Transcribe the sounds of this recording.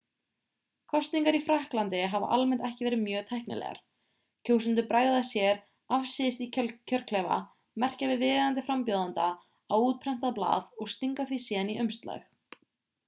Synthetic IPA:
kʰɔst̪niŋkaɾifɾahklant̪ɪɦava̰ʔalmɛnt̪ɛhcɪvɛːɾɪmjœːt̪ʰɛhknɪ̰lɛ̰ɣa̰ɾ̥ | cʰoːwsʏnt̪̬ʏpɾaːjðasjɛɾ | afsɪɪst̪iccʰœɾ̥kʰlɛva̰ | mɛr̥cavɪðvɪːðant̪ɪfɾampjowðant̪a | awuːt̪̚pʰɾɛm̥t̪aðpla̰ːðɔɣst̪iŋkaθvisjɛniʔœmst̪la̰x

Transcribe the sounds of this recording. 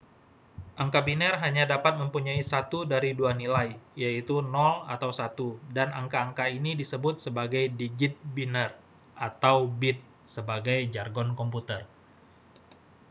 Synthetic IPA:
ʔaŋkabinərɦaɲadapat̪̚məmpuɲaisat̪udaɾiduanilajjait̪unɔla̰t̪awsat̪udanaŋkaːŋkainidisəbʊt̪̚səbaɡajdiɡɪt̪̚binər | ʔat̪awbɪt̪̚ | səbaɡajd͡ʒarɡɔnkɔmput̪ər

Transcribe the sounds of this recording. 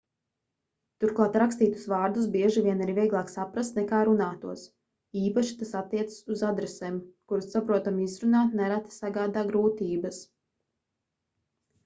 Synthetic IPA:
t̪uɾklˠaːt̪ɾakst̪iːt̪u̥svaːɾd̪usbiɛʒiviɛnaɾivʲiɛɡlˠaːksapɾast̪nɛkaːɾunaːt̪uɔs | iːpaʃi̥t̪asat̪ːiɛt̪sɨ̥suzad̪ɾɛsɛːmkuɾusːapɾuɔt̪amizɾunaːt̪nɛɾat̪saɡaːd̪aːɡɾuːt̪iːbɐs

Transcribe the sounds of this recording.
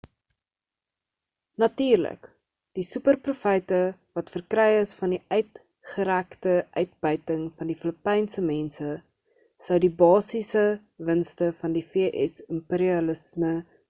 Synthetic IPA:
nɐtiːrlə̰k | d̥isʉpərprufəjtəvɐtfərkrɛjəsfɐndiʔœɥt | χəɾæktəʔœɥt̚bœɥtəŋfɐndifələpɛjnsəmɛnsə | səwdibɑːsisə | vənstəfɐndifiəʔɛ̰səmpeɾiɐləsmə

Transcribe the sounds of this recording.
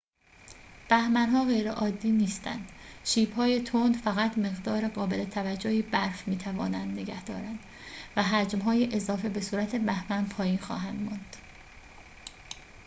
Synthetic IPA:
b̥æhmænɦɒːɣe̞jɾeʔɒːd̪ːiːniːst̪ʰæ̰nd̪̥ʃiːbhɒːje̞t̪ʰond̪fæɣæt̪ʰme̞ɣd̪ɒːɾeɣɒːbe̞le̞t̪ʰævæd͡ʒːohiːbæɾfmiːt̪ʰævɒ̰ːnænd̪ne̞ɡæhd̪ɒ̰ːɾænd̪̥ | væɦæd͡ʒmɦɒːjeʔezɒːfe̞be̞suːɾæt̪ʰebæhmænpʰɒːjiːnxɒ̰ːɦænd̪mɒnd̪̥

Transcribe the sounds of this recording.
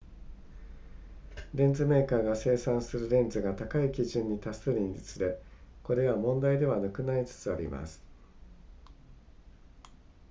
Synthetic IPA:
ɾẽ̞nd͡zɨme̞ːkaːɡase̞ːsãɰ̃sɨɾɯ̟ɾẽ̞nd͡zɨɡat̪akaikʲiʑɨ̃ɲ̟ːit̪aseɾʲĩɲd͡ʑit͡sɨd̪e̞ko̞ɾe̞βamõ̞nd̪aid̪e̞β̞anakɯ̟nait͡sɨ̥t͡sɨa̰ɾʲḭma̰sɨ̥

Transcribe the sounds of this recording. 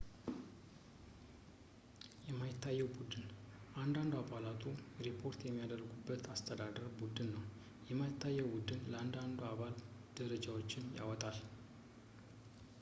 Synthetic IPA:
jɛmːajɪt̪ːajːɛwbud̪ɨnʔand̪and̪uabalat̪ʰʼuɾipʰo̞ɾt̪jɛmːijad̪əɾɡubːət̪ast̪ʰəd̪ad̪əɾbud̪ɨnːəw | jɛmːajɪt̪ʰːajːɛwbud̪ɨnləand̪and̪uaβald̪̥əɾəd͡ʒawot͡ʃːɪnja̰wɔt̪ʼal

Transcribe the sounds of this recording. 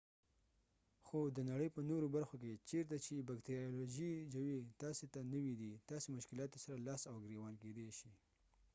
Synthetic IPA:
xod̪ənaɽəjpənoɾobaɾxok̬et͡ʃeɾt̪at͡ʃebakt̪eɾioloʒid͡ʒawit̪ɑset̪anəwid̪it̪ɑsemʊʃkɪlɑt̪osaɾalɑsawɡɾewɑnked̪eʃi

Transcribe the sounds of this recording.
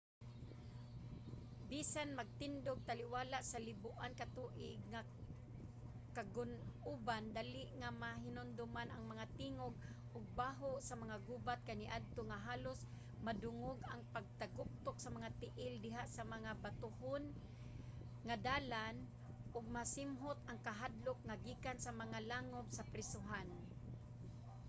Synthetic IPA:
bisanmaɡ̚t̪ɪnd̪ʊɡ̚t̪alɪwaːlaʔsalɪbʊʔankat̪uʔɪɡ̚ŋa | kaɡʊnuːband̪aːlɪʔŋamaɦɪnʊnd̪ʊmanʔaŋmaŋat̪iŋoɡ̚ | ʔʊɡ̚baːɦʊʔsamaŋaɡuːbat̪̚kaniʔad̪̚t̪ʊŋaɦaːlʊs | mad̪ʊŋʊɡaŋpaɡ̚t̪aɡʊk̚t̪ʊksamaŋat̪ɪʔɪld̪ɪɦaʔsamaŋabat̪ʊhʊn | ŋad̪aːlan | ʔʊɡ̚masɪmɦʊt̪aŋkaɦad̪lʊkŋaɡiːkansamaŋalaŋʊbsapɾɪsʊɦan

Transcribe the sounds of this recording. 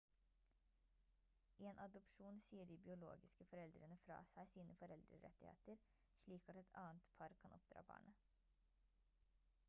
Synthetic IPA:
ʔeːnʔɑd̪ɔpʃuːnsiːəɖiːbɪʊlo̰ːɡɪskəfɔɾɛld̪ɾənəfɾɑ̰ːsæɪsiːnəfɔɾɛld̪ɾə̰ɾɛ̰t̪ɪhḛːt̪əɾ | ʂɭiːkɑt̪ɛt̪ʰɑːənt̪pʰɑɾkʰɑnɔ̰p̚d̪ɾɑ̰ːbɑ̰ːɳə

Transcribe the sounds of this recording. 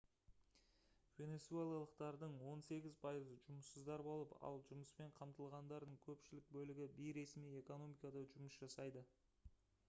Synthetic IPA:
vʲe̞ne̞t̪suelˠɑlˠəq̚t̪ɑɾd̪əɴwo̞nse̞ɡʲɪzpʰɑjəzəʒʊməsəzd̪ɑɾbolˠəpɑ̰lˠʒʊməspe̞ɴqʰɑmt̪əlˠʁɑnd̪ɑɾd̪əɴkʲʰɵpʃɪlɪk̚bɵlɪɡʲɪbijɾe̞smije̞ko̞no̞mijkɑd̪ɑʒʊməsʒ̥ɑsɑjd̪ə

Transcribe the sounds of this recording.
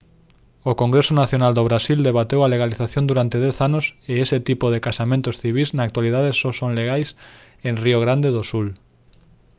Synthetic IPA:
okoŋɡɾesonaθjonald̪oβɾasild̪eβ̞at̪ewaleɣ̞aliθaθjõnd̪uɾant̪eðɛθanoseeset̪ipoðekasamẽnt̪osθiβ̞iznaːk̚t̪waliðað̞esosõŋleɣajs | ẽŋrioɣ̞ɾand̪eðosul

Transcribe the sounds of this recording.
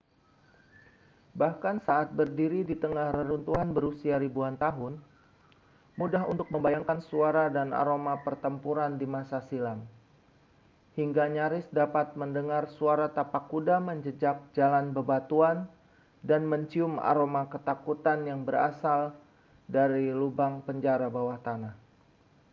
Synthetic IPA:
bahkansaʔːt̪̚bərdiɾidit̪əŋahrəɾunt̪uɦanbəɾusiaɾibuant̪aɦʊn | mudaɦṵnt̪ʊk̚məmbajaŋkansuaɾadana̰ɾomapərt̪əmpuɾandimasasilam | hiŋɡaɲaɾɪsdapat̪̚məndəŋarsuaɾat̪apakːudaməɲd͡ʒəd͡ʒak̚d͡ʒalanbəbat̪uan | danməɲt͡ʃiʊma̰ɾomakət̪akut̪anjaŋbəɾa̰sal | daɾilubaŋpəɲd͡ʒaɾabawaht̪anah

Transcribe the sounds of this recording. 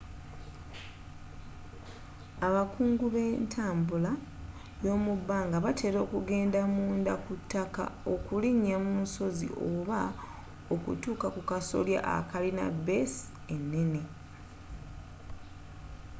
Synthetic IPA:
aβakuːŋɡuβe̞ntʰaːmbula | jo̞ːmubːaːŋɡaβatʰe̞ːɾo̞ːkuɡe̞ːndamuːndakutːaka̰o̞kuliɲːamunso̞zḭʔoβa | o̞kṵtuːkakukaso̰lja̰ʔa̰kalina̰be̞s | e̞nːe̞ne̞

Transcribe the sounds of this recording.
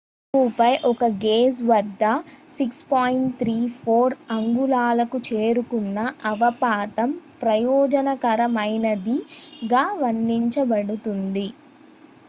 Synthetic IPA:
kuːpɐjʔɔkɐɡeːsʋɐd̪ːɐsikspaːjiɳʈt̪ʰɾiːpʰoːɾɐŋɡulaːlɐkut͡ʃe̞ːɾukunːɐʔɐʋɐpaːt̪ɐmpɾɐjɔːd͡ʒɐnɐkɐɾɐmɐjnɐd̪iɡaːʋɐnːiɲt͡ʃɐbɐɽut̪und̪i

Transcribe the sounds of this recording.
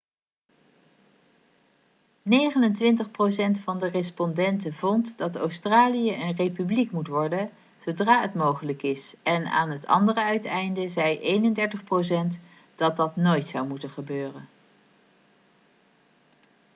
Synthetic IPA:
nejχənəntʋɪntəχprowsɛntfɑndərɪspɔndɛntəvɔntdɑto̰wstraːlijəʔənrejpyblikmutʋɔɹdə | z̥owdraːɦətmowχələkɪsɛna̰ːnɦətɑ̰ndərəœɥtɛjndəzɛjʔejnəndɛɹtəχprows̬ɛnt | d̥ɑt̚dɑtnojtsɑwmutənχəbøːrən

